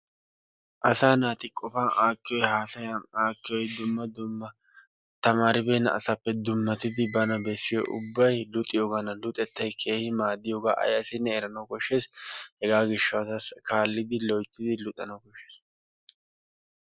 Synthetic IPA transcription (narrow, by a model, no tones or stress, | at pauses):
ʔɐsaːnaːt̪ɪkʼɔfaːnʔaːkʼːɪjɔjhaːsɐjɐnaːkʼːɪjɔjd̪ʊmːɐd̪ʊmːɐ | t̪ɐmaːɾɪbeːnːɐ̰ʔɐ̰sɐpːɛd̪ʊmːɐt̪ɪd̪ɪbɐnɐbɛsːɪjo̰ʔʊ̰bːɐjlʊt̪ʼɪjoːɡɐnɐlʊt̪ʼɛt̪ːɐjkʰe̞ːhɪmaːd̪ːɪjoːɡaːʔɐ̰jɐsɪnːɛːɾɐnɐwkɔʃːeːshɛɡaːɡɪʃːɐwɐt̪ɐskaːlːɪd̪ɪlɔjt̪ːɪd̪ɪlʊt̪ʼːɐnɐwkɔʃːeːs